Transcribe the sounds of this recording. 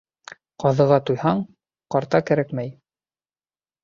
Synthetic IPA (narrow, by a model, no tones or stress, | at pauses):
qɑðɤ̆ʁɑt̪ujhɑɴ | qɑɾt̪ɑkæɾækmæj